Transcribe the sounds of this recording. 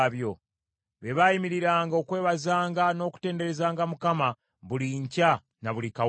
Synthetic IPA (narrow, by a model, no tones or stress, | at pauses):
βjo̞ | βe̞βajimiɾiɾaːŋɡao̞ːkwe̞ːβazaːŋɡano̞ːku̥te̞ːnde̞ɾe̞zaːŋɡamukama | βuliɲca | naβulika